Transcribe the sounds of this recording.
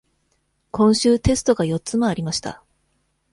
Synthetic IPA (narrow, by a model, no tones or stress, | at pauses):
kõ̞ɰ̃ɕɨːt̪e̞sɨ̥t̪o̞ɡajo̞tt͡sːɨmaaɾʲimaɕi̥t̪a̰